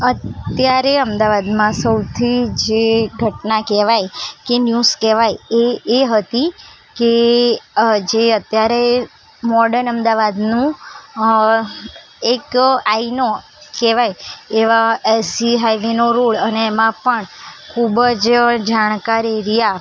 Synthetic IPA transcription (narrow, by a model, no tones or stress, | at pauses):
ət̪ːjaɾeəmd̪aʋad̪mãsəwt̪ʰid͡ʒeɡʱəʈnakɛʋajkenjuskɛʋajeːɦət̪i | ke | d͡ʒeət̪jaɾe | mɔɖəɾnəmd̪aʋad̪nũ | ekaino | kɛʋajeʋaelsiɦajʋenoɾoɭəneːmãpəɳkʰubəd͡ʒd͡ʒaɽ̃kaɾeɾija